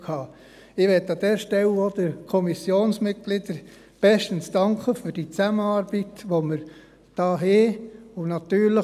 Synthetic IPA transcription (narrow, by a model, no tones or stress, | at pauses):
kʰhɑː | ɪʋɛt̪ːɑd̥̪ɛːɾʃtɛlod̥̪əɾkʰɔmisjoːnsmɪt̚ɡ̥lɪd̥əɾ | b̥ɛʃtənsd̥ɑŋkχəfyɾd̥it͡sæməɑːɾbitʋoməɾ | d̥ɑːɦeʊnɑt̪yːɾlə